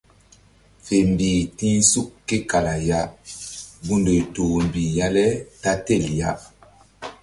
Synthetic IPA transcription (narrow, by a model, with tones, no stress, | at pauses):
fe˨m˨biː˨tĩ˦su˦kkːe˦ka˨la˨ja˦ | bu˦ndo˨tuː˨m˨bi˨ja˦lɛ˦ta˦te˦˨lja˦